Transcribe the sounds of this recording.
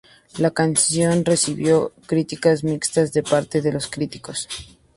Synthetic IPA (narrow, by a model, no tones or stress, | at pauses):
lakansjo̞nre̞siβjo̞kɾit̪ikazmikst̪azðe̞paɾt̪e̞ðe̞lo̞skɾit̪i̥ko̞s